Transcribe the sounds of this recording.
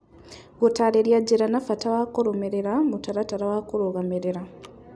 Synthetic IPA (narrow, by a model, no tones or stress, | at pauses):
ɡutaleɾjaɟiɾanafatawakoɾomeɾeɾamutaɾataɾawakoɾoɣameɾeɾa